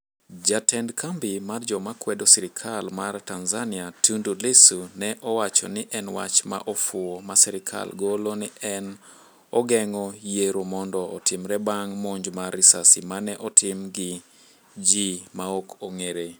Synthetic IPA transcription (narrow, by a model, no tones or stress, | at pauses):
d͡ʒatɛndkʰambɪmard͡ʒɔmakwɛdosiɾɪkʰalmartanzaniatundulɪsunɛʔɔwat͡ʃɔ̰nɪʔɛnwa̰t͡ʃma̰ʔɔfʊomasɛɾɪkʰa̰lɡolonɪʔɛn | ɔɡɛŋɔjeɾomɔndɔɔtɪmɾɛbaŋmoɲd͡ʒmarɪsasimanɛʔɔtʰɪmɡɪ | d͡ʒimaokʰoŋeɾe